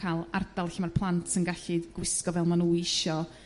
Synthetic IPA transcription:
alˠardalˠɬɪmarpʰlˠantʰsənɡaɬɨɡ̥wɪskɔvɛlˠmanuːɪʃɔ

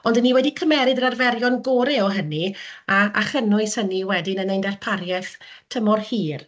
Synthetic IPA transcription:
ɔndənːiwɛdikʰəmɛɾɨdəɾarvɛɾjɔnɡoːɾeɔɦəniaaχənʊjshəniwɛdɪnənejndɛrpʰaɾjɛθ | tʰəmɔrhiːr

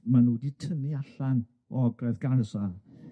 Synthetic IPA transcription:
manuːditʰəniaɬan | ɔɔɡrɛðɡarsað

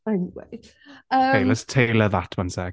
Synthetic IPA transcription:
anwḛ | əːejləstʰejləðatʰmansɛɡ

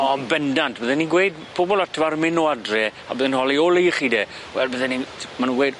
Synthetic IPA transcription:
ɔbɛndantʰbəðɛniɡwejd̚ | pʰoːbɔlˠatʰəvarmɪnɔadrɛa̰bəːðənhɔlˠioːlˠejχiːdeː | wɛlbəðɛnimanunɡwejd

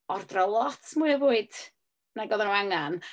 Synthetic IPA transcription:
ɔrdrɔlˠɔtʰmuɨəvuːɨd̥ | naɡɔðanuaŋan

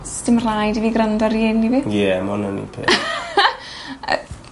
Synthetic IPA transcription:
stɪmr̥ajdiviɡrəndɔɾiɪnːivijɛmɔnənḭpʰḛː | ə̰

